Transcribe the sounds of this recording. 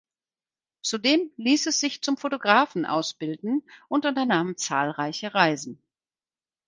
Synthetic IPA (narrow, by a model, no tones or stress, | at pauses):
t͡sudeːmliːsɛsz̥ɪçt͡sʊmfotoɡʁaːfn̩ʔa̰ʊsb̥ɪldn̩ʔʊntʊntɐnaːmnt͡sa̰ːlʁaɪçəʁaɪzn̩